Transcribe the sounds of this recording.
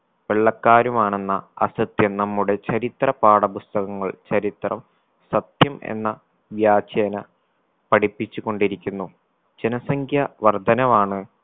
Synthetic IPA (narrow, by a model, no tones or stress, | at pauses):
ʋeɭːɐkːaːɾumaːɳe̞nːɐɐsɐt̪jɐmnɐmːuɽe̞t͡ɕɐɾit̪rɐpaːɽɐpust̪ɐɣɐŋːɐɭt͡ɕɐɾit̪rɐm | sɐt̪jɐmḛnːɐ | ʋjaːt͡ɕjɐɐnɐ | pɐɽipːit͡ɕːukːo̞ɳɖiɾikʲːunːu | d͡ʑenɐsɐŋkʰjɐʋɐrd̪ʱɐnɐmaːɳɨ